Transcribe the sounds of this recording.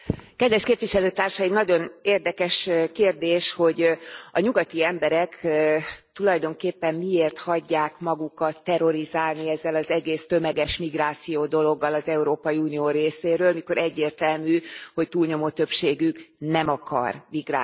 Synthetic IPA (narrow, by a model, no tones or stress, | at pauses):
kɛd̪ʋɛʃkeːpʋiʃɛløːt̪aːrʃɒjimnɒɟo̞neːrd̪ɛkɛʃkeːrd̪eːʃho̞ɟɒɲuɡɒt̪iɛmbɛɾɛk | t̪ulɒjd̪o̞ŋkeːpːɛmːmieːrt̪hɒɟːaːkmɒɡukɒt̪ːɛɾo̞ɾizaːlniɛzːɛlɒzɛɡeːst̪ømɛɡɛʃmiɡraːt̪sijoːd̪o̞lo̞ɡːɒlɒzɛuɾoːpɒjiuːnijoːɾeːseːɾøːlmiko̞ɾɛɟːeːrt̪ɛlmyːho̞ct̪uːlɲo̞mot̪ø̞pʃeːɡyknɛmɒkɒ̰rmiɡra̰ː